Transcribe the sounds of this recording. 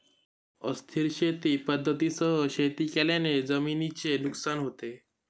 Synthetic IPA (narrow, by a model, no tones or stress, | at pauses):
əst̪ʰiɾɕet̪ipəd̪ʱːət̪isəɦəɕet̪ikeljãned͡zəminit͡ɕenuksanɦot̪e